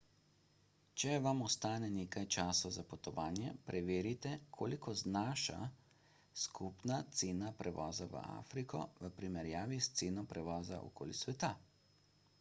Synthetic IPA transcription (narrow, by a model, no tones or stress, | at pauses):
t͡ʃɛʋamɔst̪aːnɛneːkajt͡ʃaːsɔwzapɔt̪ɔʋaːnjɛpɾʔɛʋeːɾit̪ɛkʰoːlikɔznaːʃa̰ | skʰupnat̪seːnapɾʔɛʋɔːzaʋə̰a̰fɾikʰɔ̰ʋəpɾimɛɾjaːʋist̪seːnɔpɾɛʋɔːza̰ʔɔ̰ko̰ːlisʋɛt̪a